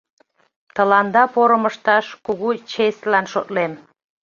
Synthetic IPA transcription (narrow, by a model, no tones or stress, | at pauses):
t̪əlɑnd̪ɑpoɾəməʃt̪ɑʃkuɣut͡ɕest̪lɑnʃot̪lem